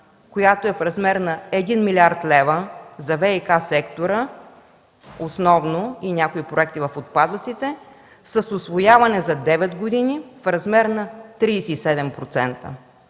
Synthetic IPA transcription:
kojat̪oɛfɾɐzmɛɾnɐɛd̪inmilʲiaɾt̪lɛvəzɐvɛikasɛkt̪oɾə | osnɔvnoinʲakoipɾoɛk̚t̪ivɐfot̪̚pad̪ət̪sit̪ɛ | səsʊsvojavɐnɛzɐd̪ɛvɛd̪ɡod̪inifɾɐzmɛɾnɐt̪ɾisɛisɛd̪ɛmpɾot̪sɛnt̪ə̰

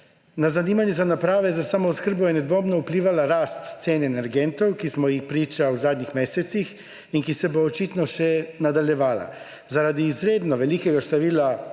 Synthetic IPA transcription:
nazaniːmanjɛzanapɾaːʋɛzasamɔɔskəɾ̩bɔjɛnɛd̪ʋoːmnɔupliːʋalaɾaːst̪seːnɛnɛɾɡɛnt̪ɔwkismɔjixpɾiːt͡ʃawzaːd̪nixmeːsɛt̪six | inkisɛboːt͡ʃiːt̪nɔʃɛnad̪aljɛʋaːla̰ | zaɾad̪iːzɾeːd̪nɔʋɛliːkɛɡaʃt̪aʋiːla

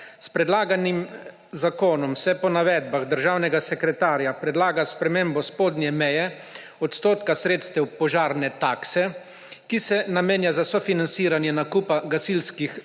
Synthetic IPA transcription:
spɾɛd̪laːɡanim | zakoːnɔmsɛpɔnaʋɛːd̪̚baɣd̪əɾʒaːwnɛɡasɛkɾɛt̪aːɾjapɾɛd̪laːɡaspɾɛmeːmbɔspoːd̪njɛmɛjɛ | ɔt̪st̪oːt̪kasɾeːt̪st̪ɛwpɔʒaːɾnɛt̪aːksɛ | kisɛnameːnjazasɔfinansiːɾanjɛnakupaɡasilskix

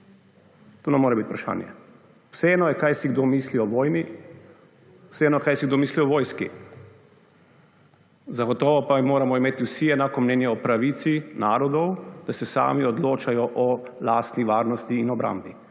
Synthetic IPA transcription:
t̪oːnamoːɾɛbit̪upɾaʃa̰ːnjɛ̰ | wsɛɛːnɔjɛkajsiɡd̪oːmisliɔʋɔːjni | wsɛɛnɔjɛkajsiɡd̪oːmiːsliɔʋɔːjskḭ | zaɡɔt̪ɔːʋɔpamoːɾamɔimeːt̪iwsiɛnaːkɔmnɛːnjɛɔpɾaʋiːt̪sinaːɾɔd̪ɔwd̪̥asɛsa̰ːmiɔd̪loːt͡ʃajɔʔɔ | laːst̪niʋaːɾnɔst̪iːnɔbɾa̰ːmbi

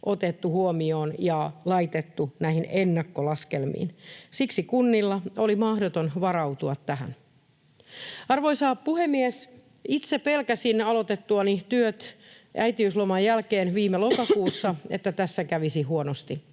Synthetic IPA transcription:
ʔot̪et̪ːuhuomioːnjɑlɑit̪et̪ːunæihinenːɑkːolɑskelmḭːnsiksikunːilːɑolimɑhdot̪onʋɑrɑut̪uɑt̪tæɦæ̰n | ɑrʋoisɑːppuhemːies | it̪sepelkæsinɑlot̪et̪ːuɑnit̪yøt̪ | æit̪iyslomɑjjælkeːnʋiːmelokɑkuːsːɑḛt̪ːæt̪æsːækæʋisihɦuonost̪i

